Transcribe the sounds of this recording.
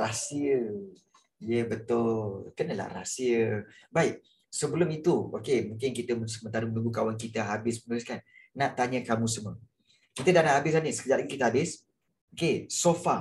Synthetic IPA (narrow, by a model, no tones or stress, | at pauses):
rasiə | ijəbət̪ʊllkənəla̰hra̰siəbaɪʔ̚ | səbəlʊmit̪uo̰kemũŋkɪnkit̪əməsəmənt̪aɾimənũŋɡukawankit̪əɦabɪsmənuɾɪskanː | ãʔt̪aɲə̃kamũsəmə | kit̪ədaʔnaʔɦabɪs̬anisə̥kəd͡ʒaɾʔikit̪əɦabɪs | okesofa